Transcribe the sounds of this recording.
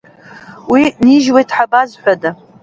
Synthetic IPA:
winiʒwejtʰħabazħʷada

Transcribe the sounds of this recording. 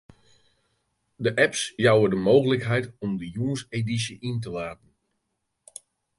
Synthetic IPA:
dəʔɛpsjawədəmoːɣələkɦɛjtɔmdəjuənsedis̬əʔint̬əʋaːtn̩

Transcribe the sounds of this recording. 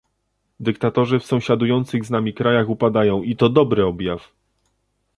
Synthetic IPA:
d̪ɘkt̪at̪ɔʐɘfsɔ̃w̃ɕad̪ujɔnt̪sɘɣznamʲikɾajaxupad̪ajɔ̃w̃it̪ɔd̪ɔbɾɘɔbʲjaf

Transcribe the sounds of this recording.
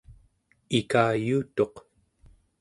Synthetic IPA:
ikaːjuːt̪o̞q

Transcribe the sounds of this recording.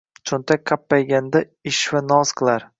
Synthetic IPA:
t͡ʃʰʊnt̪ʰakʲkʰːapːajɡʲand̪a | ɪʃvanɒz̥qʰɨlˠaɾ

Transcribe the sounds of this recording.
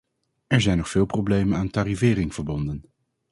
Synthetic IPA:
ɛɹzɛjnːɔχfɪːlˠprowblejmənaːntaːrivɪːɾɪŋv̥əɹbɔndən

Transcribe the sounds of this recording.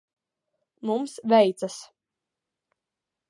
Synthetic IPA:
mumsvʲɛjt̪sas

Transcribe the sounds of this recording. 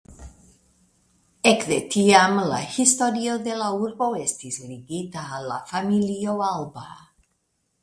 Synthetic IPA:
ekðet̪iamlahist̪oɾjoðelauɾɡoest̪isɾiɡit̪aːlafamilioalba̰

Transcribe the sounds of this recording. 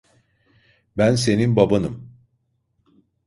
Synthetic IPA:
bænse̞ninbabanɯm

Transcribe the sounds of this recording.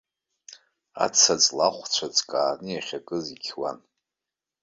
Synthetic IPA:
a̰t͡sʰat͡sʼlaχʷt͡ʃʷʰat͡sʼkʼaːnɨjaχʲakʼɨzikʲʰwan

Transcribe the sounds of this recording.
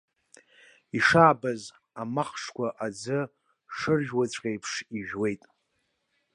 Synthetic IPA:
iʂaːbaz | amaχʂkʷʰaʔad͡zɨ | ʂɨrʒᶣwat͡ɕʷʼqʲʼejpʰʂiʒᶣwe̞jtʼ

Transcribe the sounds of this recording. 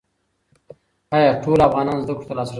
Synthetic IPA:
ajɑʈʰoːlafɣɑːnɑːnzd̪əkɽu̥t̪alɑːsɾ

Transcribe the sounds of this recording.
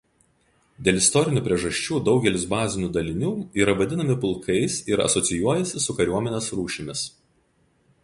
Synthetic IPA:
d̪ʲeːlʲˠɪst̪ɔɾʲɪnʲuːˑpʲɾʲiɛʒɐʃʲt͡ʃʲuːd̪ɒʊɡʲɛlʲɪsbɑːzʲɪnʲuːd̪ɐlʲɪnʲuːiːɾɐʋɐd̪ʲɪnɐmʲɪpʊlˠkʰɐɪsɪɾɐ̰sɔt̪sʲɪjuɔjɛsʲɪsʊkɐɾʲuɔmʲɛnʲeːsɾuːʃʲɪmʲɪs

